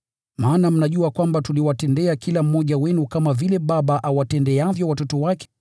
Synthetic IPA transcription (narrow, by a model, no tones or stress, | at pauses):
maːnam̩naʄuakwambatuliwatɛndɛakilam̩mːɔʄawɛnukamavilɛɓaɓaʔawatɛndɛavjɔwatɔtɔwak